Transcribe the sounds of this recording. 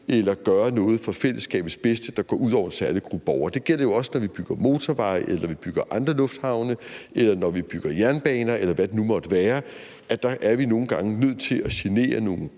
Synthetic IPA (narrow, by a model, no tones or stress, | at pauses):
elɐɡ̥ɶːɐnɔ̽ːð̞̩ˠfɒ̽fel̰əsɡ̥ɛ̰ːb̥ð̩ˠsb̥esd̥əd̥ɑ̈ɡ̥ɒ̰ːuð̰ˠɒʊ̰ɐensæɐləɡ̥ʁub̥ɒʊɐd̥e̝ɡ̥el̰ɐjo̝ɒ̽sənɒʋib̥yɡ̥ɐmo̝ːt͡sʰɒʋɑ̈ɪʔelɐʋib̥yɡ̥ɐʔɑ̈nd̥ʁɐlɔ̽fd̥hɑ̈ʊnəelɐnɒʋib̥yɡ̥ɐjæɐnb̥ɛ̰ːnɐelɐʋæd̥e̝numɒ̽d̥əʋæːɐ | æd̥ɑ̈ʔæɐʋino̝ːn̩ɡ̥ɑ̈ŋənøð̞̰ˠt͡sʰe̝læɕene̝̰ːɐno̝ːn̩